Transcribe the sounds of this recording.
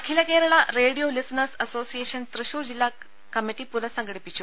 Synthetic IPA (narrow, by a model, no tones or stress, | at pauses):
ɐkʰilɐkeːɾɐɭaɾeːɽijolisnəsɐsoːsijeːɕɐnt̪ɾɨʃuːɾd͡ʑilːa | kɐmiʈipuɾɐsɐŋɡɽipit͡ɕʰu